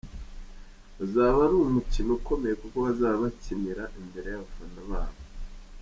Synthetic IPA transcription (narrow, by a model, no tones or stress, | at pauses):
uzaːβaɾumucinoko̞me̞jekuko̞βazaːβacimiɾaʔimbe̞ɾe̞jaβafanaβaːβo